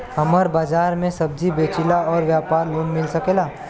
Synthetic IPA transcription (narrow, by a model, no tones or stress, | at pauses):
ɦɐməɾbaːd͡ʒaːɾmẽsɐb̚d͡ʒibeːt͡ʃɪlaɔːɾʋjaːpaːɾloːnmɪlsɐkeːlaː